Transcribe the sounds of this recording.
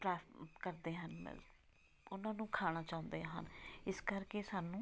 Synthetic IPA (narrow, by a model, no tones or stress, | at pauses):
pɾɛːkəɾd̪eːɦənmɛ̰ | ʊnãːnũːkʰaːɽ̃aːt͡ʃaːʊ̃nd̪eːɦə̰nɪskəɾkeːsaːnũː